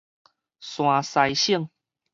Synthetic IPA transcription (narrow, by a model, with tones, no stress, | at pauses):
sw̃ã˨˩sa˧˩jɕi˥˧˨ŋ